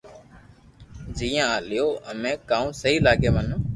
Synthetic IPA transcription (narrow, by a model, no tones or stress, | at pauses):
d͡ʒiːjãːlɪjoːəmẽːkãːũːsəɦiːlaːɡẽːʋənː